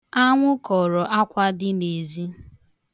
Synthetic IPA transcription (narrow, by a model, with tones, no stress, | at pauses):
a˦ŋʷʊ˦kɔ˨ɾɔ˨ʔa˦kʷa˦dɪ˦ne˨zi˦